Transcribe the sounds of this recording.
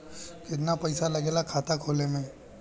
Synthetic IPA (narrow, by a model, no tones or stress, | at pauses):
kɪt̪̬napɐɪsalɐɡeːlakʰaːt̪akʰoːlemẽː